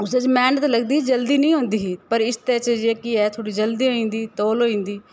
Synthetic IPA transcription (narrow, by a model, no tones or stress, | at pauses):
ʊsed͡ʒmɛːnət̪ləɡd̪iːd͡ʒəld̪iːnəĩːɦõːnd̪iːɦːpəɾɪst̪ɛːt͡ʃəd͡ʒeːkɪɛːt̪ʰoːɽiːd͡ʒəld̪iːɦoĩːnd̪iːt̪oːloːĩːnd̪iː